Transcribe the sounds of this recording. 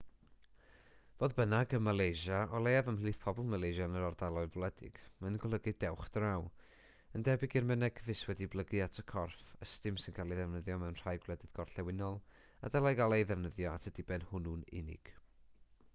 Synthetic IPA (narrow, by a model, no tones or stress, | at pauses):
v̥oːðbənaɡəmalˠejʒaʔɔlˠejavəmiːθpʰɔbɔlˠmalˠejʒanəɾɔrdalˠɔɨlˠblˠɛdɪ̰ɡ̥manɡɔlˠəɡɨdɛwχdraw | əndɛbɪɡɪrmənɛkʰəvɪswɛdiblˠəɡɨatʰəkʰɔrfəstɨmsɪnkʰalˠiðɛvnəðjɔmɛwnr̥aːjɡwlˠɛdɪðɡɔrɬɛwɪnɔlˠ | a̰dɛlˠajɡalˠejðɛvnəðjɔa̰tʰəd̥ɪbɛnhʊnunɪ̰nɪ̰ɡ̥